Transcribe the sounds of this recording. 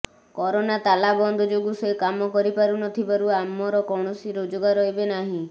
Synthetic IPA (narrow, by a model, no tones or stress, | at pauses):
kɔɾonat̪alabɔnd̪ʱɔd͡ʒoɡusekamɔkɔɾipaɾunɔt̪ʰibaɾuamːɔɾɔkɔɽ̃ɔsiɾod͡ʒoɡaɾɔɦibenaɦĩ